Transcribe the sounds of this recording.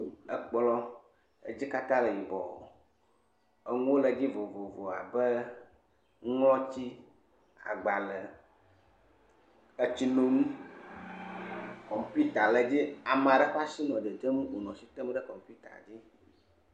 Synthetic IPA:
ə˦k͡plɔ˦ | e˦d͡ʑi˦ka˦t̪ã˦lə˨ji˨bɔ˨ | ə˦ŋũ˦wo˦lə˨d͡ʑi˦vo˨vo˨vo˨a˨bə˦ | ŋɔ̃˦t͡ɕi˦ | a̰˨ɡ͡ba˨lə˨ | ə˦t͡ɕi˦nõ˦mũ˦ | kɔ˨m˨pi˦t̪a˨lə˨d͡ʑi˦a˨m˨a˨ɖə˦ɸa˦si˦nɔ̃˨d̪ə˨d̪ə˦mũ˦wo˨nɔ̃˨si˨t̪ə˦m˦ɖə˦kɔ˨m˨pi˦t̪a̰˨d͡ʑi˦

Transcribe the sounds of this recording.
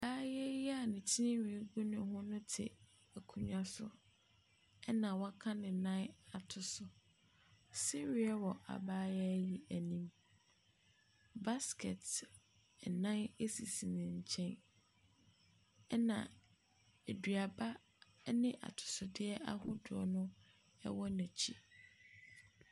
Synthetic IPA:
a˨baː˦jɛ˦ji˦a˨nɪ̃˨tʰi˦ɪ̃˦wi˨˦ɡu˦nʊ̃˨˦ɦʊ̃˦nʊ̃˦tʰɪ̰˨ | æ˨kʰũ˨ɲᶣ˦ã˦sʊ˨ | ɛ˦nã˨wɔ˦a˦kʰã˦nɪ̃˨nã˦na˨tʰʊ˨sʊ˨ | sɛ˦ɥi˨ɛ˦wɔ˨ʔa̰˨baː˦jɛ˦ji˨æ˨nĩ˦m | ba˦skʰɛ˨t | nã˦ne˦si˨si˨nɪ̃˨ɲ̩˨t͡ɕʰɛ̃˦n | ɛ˦nã̰˨ | e˨dɥa˨ba˦ | nɪ̃˦ʔa̰˨tʰʊ̥˨sʊ˨dɪ˦ɛ˦ʔa˦hʊ̰̃˦dʊ˨ɔ˨nʊ̃˦ | ɛ̰˦wɔ˦næ̃˨t͡ɕʰi˦

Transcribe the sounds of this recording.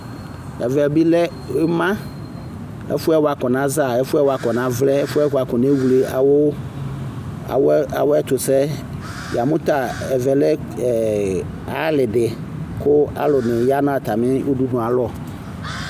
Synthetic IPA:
ɛ̰˨vɛ˨bi˦lɛ˦ | e˦mã˦ | ḛ˦fu˦ɛ˦wa˨kɔ˨nã˨˦za˨ɛ˦fu˦ɛ˦wa˨kɔ˨nã˦vlɛ˦e˦fu˦ɛ˦ka˨kɔ˨nẽ˦wu˨le˨wo˦˨ | wa˨wɛ˦t͡ʃ̪ʊ˨sɛ˦ | ja˨mũ˦t̪a˨ɛ˨vɛ˨lɛ˦˨ | a˦lɪ˨ɖɪ˨ | kʊ˦a̰˦lʊ˨nʊ̃˨ja˦nɔ̃˦a˨t̪a˨mɪ̃˦u˦du˦nũ˨a˨lɔ˦˨

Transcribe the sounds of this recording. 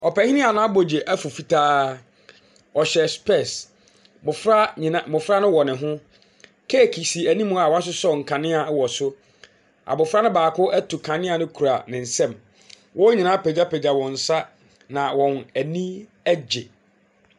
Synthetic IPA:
ɔ˨pɛ˨hĩ˦nɪ̃˦a˨nʊ̃˦a˦bo˨d͡ʑe˨ʔæ˦fu˨fi˨tʰaː˦ | ɔ˨ɕɛ˨spʰɛ˦˨s | bʊ˨fɾa˦ĩ˨nã˨bʊ˨fɾa˦nʊ̃˦wɔ˨nɪ̃˨ɦʊ̃˦ | kʰɛ˦˨kʰi˨si˨æ˨nĩ˦mʊ̃˦a˨wɔ̃˦s̬ʊ˦sɔ˦˨ŋ̩˨kʰã˨nɪ̃˦a˨˦wɔ˨sʊ˦ | ʔa̰˨bʊ˨fɾa˦nɪ̃˦baː˨kʰʊ˦ʔæ˦tʰu˨kʰã˨nɪ̃˦a˨nɪ̃˦kʰu˨ɾa̰˨nɪ̃˨n̩˨sɛ̃˦˨m | wʔɔ˦ɲĩ˨nã˦pʰɛ˨d͡ʑa˦pʰɛ˨d͡ʑa˨wɔ̃˨n̩˨sa˦ | nã˨wɔ̃˨næ˨nĩ˦ | æ˦d͡ʑe˨

